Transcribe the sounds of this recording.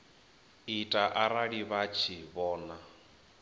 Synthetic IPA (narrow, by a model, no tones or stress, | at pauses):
itʼaʔaɾaɺiβat͡ʃʰiβɔːna